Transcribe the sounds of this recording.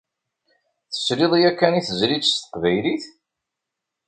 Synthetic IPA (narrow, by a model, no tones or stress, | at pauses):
θə̥sɾiðˤijækːæniθəzɾist̪ə̥qvæjliθ